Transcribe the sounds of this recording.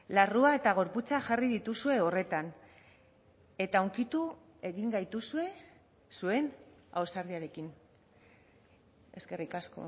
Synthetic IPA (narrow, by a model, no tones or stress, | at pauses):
laruae̞t̪aɣ̞o̞ɾput͡saʝariðit̪usue̞o̞re̞t̪an | e̞t̪auŋkit̪u | e̞ɣiŋɡajt̪usue̞ | sue̞na̰wsaɾðiaɾe̞kin | e̞ske̞rikasko̞̰